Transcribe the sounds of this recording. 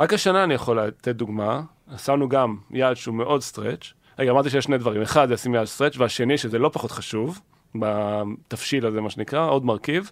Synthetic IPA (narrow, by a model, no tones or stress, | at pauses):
ʁakaʃanaːnijaχo̞lat̪et̪̚d̪uɡma | asanuɡamjadʃeumeʔo̞dst̪ʁet͡ʃ | ʁeɡamaʁt̪̬iʃ̬ejeʃned̪vaʁimeχad̪zeasimjadst̪ʁet͡ʃveaʃe̞niʃezelo̞paχot̪χaʃuv | bat̪afʃilazemaʃenikʁaʔo̞d̪maʁkiv